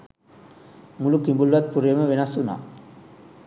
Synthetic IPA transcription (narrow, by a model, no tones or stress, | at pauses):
mulukimbulʋɐt̪̚puɾɐjɐməʋenɐsːuna̰ː